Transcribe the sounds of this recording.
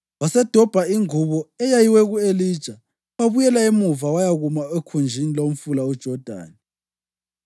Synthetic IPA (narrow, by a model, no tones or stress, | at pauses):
wasɛd̥ʱɔb̥ʱaiŋuβɔɛjajiwɛɣueliːd̥ʒ̥ʱa | waβujɛlaemuvawajaɣumaekʰund͡ʒʱinilom̩fulaud̥ʒ̥ʱɔd̥ʱa̰ːni